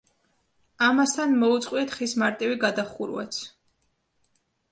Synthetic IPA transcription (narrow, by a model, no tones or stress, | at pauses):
amast̪ʰanmɔut̪sʼqʼwiɛt̪χismaɾt̪ʼiviɡad̪aχuɾwɛ̰t̪sʰ